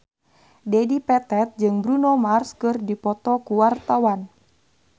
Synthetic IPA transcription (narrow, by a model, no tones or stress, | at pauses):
dɛdipɛt̪ɛt̪̚d͡ʒɨŋbɾunɔmarskɨrdipɔt̪ɔkuwart̪awan